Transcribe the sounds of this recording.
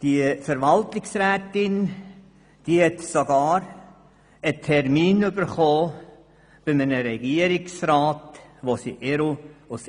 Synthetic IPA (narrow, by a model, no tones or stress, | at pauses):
d̥iəfəɾʋaltɪksɾɛːtɪn | d̥iːhɛtsoɡaːɾ | ətʰɛɾmiːnʉbəɾχoː | b̥ɪmənəɾɛɡiəɾɪksraːtʋosḭʔeɾuʊs